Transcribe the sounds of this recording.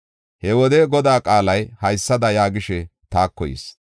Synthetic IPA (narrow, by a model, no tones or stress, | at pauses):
hɛwɔd̪ɛɡɔd̪aːkʼaːlɐjhɐjsːɐd̪ɐjaːɡɪʃɛt̪aːkːɔjḭs